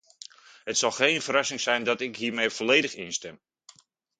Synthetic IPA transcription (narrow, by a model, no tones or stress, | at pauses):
hətsɑlˠxejnfəɾɑsɪŋsɛjndɔtɪkɦiːɹmejfoleːdəxɪnstɛm